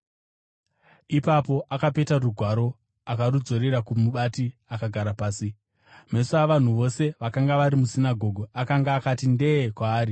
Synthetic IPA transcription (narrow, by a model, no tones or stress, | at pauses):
ipapo̞ʔakape̞taruɡʱwaɾo̞ | akaɾud͡zo̞ɾeɾakumuɓatiakaɡʱaɾapaːsi | me̞suaʋan̤uʋo̞se̞ʋakaŋɡaʋaɾimusinaɡʱo̞ɡʱoakaŋɡaːkatinde̞kwaːri